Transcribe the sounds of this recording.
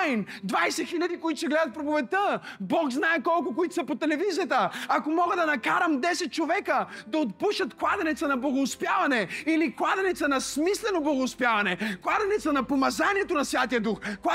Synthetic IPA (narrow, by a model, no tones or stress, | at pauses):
jnd̪vajsɛxilʲɐd̪ikoit̪ʊ̥sɛɡlɛd̪ət̪̚pɾovovɛt̪əbɔkznaɛkɔlˠkʊkoit̪sɐpot̪ɛlɛvizijət̪əːkomɔɡəd̪ɐnɐkaɾəmd̪ɛsɛt̪̚t͡ʃovɛkəd̪ɐot̪puʃət̪klˠad̪ɛnɛt̪sənɐblˠɐɡoːspjavɐnɛiliklˠad̪ɛnɛt̪sənɐsmislɛnoblˠɐɡoːspjavɐnɛklˠad̪ɛnɛt̪sənɐpomɐzaniɛt̪onɐsvʲjat̪ijəd̪uxko